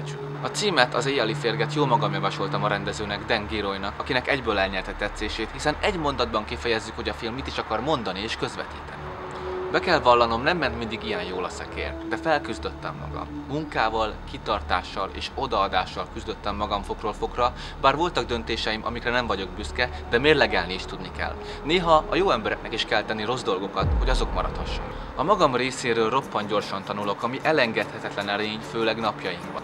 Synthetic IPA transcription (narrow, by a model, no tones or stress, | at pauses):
ɒt̪siːmɛt̪ɒzeːjɒlifeːrɡɛt̪joːlmɒɡɒmjɒvɒʃo̞lt̪ɒmɒɾɛnd̪ɛzøːnɛɡd̪ɛŋɡiɾo̞jnɒkɒkinɛkɛɟbøːlɛlɲɛrt̪ɛt̪ːɛt̪seːʃeːt̪hisɛnɛɟmo̞nd̪ɒd̪̚bɒŋkifɛjɛzːykho̞ɟɒfilmːit̪iʃɒkɒrmo̞nd̪ɒnieːʃkø̞zʋɛ̰t̪ḭːt̪ɛni | bɛkɛlvɒlːɒno̞mnɛmːɛnt̪mind̪iɡijɛnjoːlɒsɛ̰kḛːrt̪d̪̥ɛfɛlkyzd̪øt̪ːɛ̰mːɒ̰ɡɒ̰mːuŋkaːvɒlkit̪ɒrt̪aːʃːɒlḛːʃo̞d̪ɒɒd̪aːʃːɒlkyzd̪øt̪ːɛmːɒɡɒmfo̞kroːlfo̞krɒ | baːrvo̞lt̪ɒɡd̪ø̞nt̪eːʃɛjimʔɒ̰mikrɛnɛɱvɒɟo̞ɡ̚byskɛ | d̪ɛmeːrlɛɡɛlniːʃt̪ud̪nikɛ̰l | neːɦɒɒjoːɛmbɛɾɛknɛkiʃkɛlt̪ɛnːiɾo̞zd̪o̞lɡo̞kɒt̪ho̞ɟɒzo̞kmɒɾɒ̰t̪hɒʃːɒ̰n | ɒmɒɡɒmreːseːɾøːlro̞pːɒɲɟo̞rʃɒnt̪ɒnulo̞kɒmiʔɛlɛŋɡɛt̪hɛt̪ɛt̪lɛnɛɾeːɲføːlɛɡnɒpjɒjimkvɒ̰n